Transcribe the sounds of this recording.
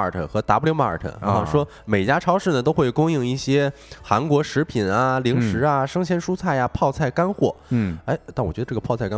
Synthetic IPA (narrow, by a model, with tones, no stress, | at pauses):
ə̰˞˨˩t̪ʰə̰˧˩xɤ˧˥t̪a˧˥pljo˧˥ma˧˥ə̰˞˨˩t̪ʰə̰˧˩˧ʂwɔ˥ | me˨˩ɪt͡ɕja˥ʈ͡ʂʰɑ˥ʊʂɻ̩˥˩nə˩t̪̬o˥ʊxwe˥˩ɪkʊ˥ŋi˥˧ŋi˥˩ɕjɛ˥ | xa˧˥nkwɔ˧˥ʂɻ̩˧˥pʰi˨˩na˧li˧˥ŋʂɻ̩˧˥ɐ˧ʂɤ˥ŋɕjɛ˥nʂu˥t͡sʰa˥˩ɪa˩pʰɑ˥˧ʊt͡sʰa˥˩ɪka˥nxwɔ˥˩˧ɪt̪a˥˩nwɥɛ˧˥ə˧ʈ͡ʂɤ˥˩ɡə˩pʰɑ˥˧ʊt͡sʰa˥˩ɪka˥